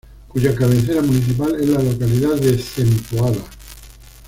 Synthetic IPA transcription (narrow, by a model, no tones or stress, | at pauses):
kuʝakaβenθ̬eɾamuniθ̬ip̬alezlalo̞kaliðaðeθent̪uaða